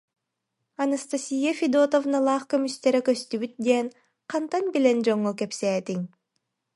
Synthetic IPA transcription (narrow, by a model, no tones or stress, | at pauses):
anast̪asʲijafʲid̪ot̪ovnalˠɑːχkømyst̪eɾekøst̪yβyt̪̚d̪en | qʰɑnt̪anbilʲend͡ʒoŋːokepseːt̪iŋ